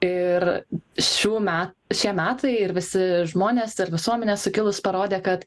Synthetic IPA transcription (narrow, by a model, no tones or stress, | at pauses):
ɪrʃʲuːmʲæːtʃʲiɛmʲæːt̪ʰɐɪɪɾʋʲɪsʲɪʒmoːnʲeːsɪɾʋʲɪsuɔmʲɛnʲeːsʊkʲɪlˠʊspɐɾoːd̪ʲeːkɐt̪